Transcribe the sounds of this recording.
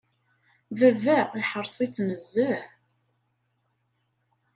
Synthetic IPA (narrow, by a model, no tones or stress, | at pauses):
vævæiħəɾˤsˤit͡sːməzːəħ